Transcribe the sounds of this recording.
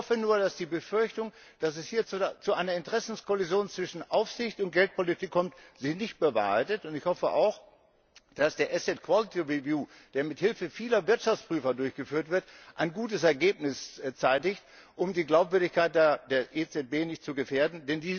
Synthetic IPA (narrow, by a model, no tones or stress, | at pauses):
hɔfənuːɐdasd̥iːbəfʏɐçtʊŋ | d̥asɛshiːɐt͡sut͡suʔaɪnɐɪntəʁɛsn̩skʰolizjoːnt͡sv̥ɪʃn̩ʔaʊfz̥ɪçtʊnt̚ɡ̥ɛlt̚politʰɪkʰːɔmtz̥ɪçnɪçt̚b̥əva̰ːhaɪtətʊntɪçhɔfəʔa̰ʊx | d̥asd̥eːɐʔɛsɛtkʰw̥alɪtʰiʁivjuː | d̥eːɐmɪthɪlfəfiːlɐvɪɐtʃaft͡spʁ̥yːfɐdʊɐçɡ̥əfyːɐtv̥ɪɐtʔaɪnɡuːtəsɛɐɡeːp̚nɪst͡saɪtɪçt | ʔʊmdiːɡlaʊpv̥ʏɐdɪçkaɪt̚d̥eːɐd̥eːɐʔet͡sɛt̚b̥eːnɪçt̚t͡suɡəfeːɐdn̩dɛndiː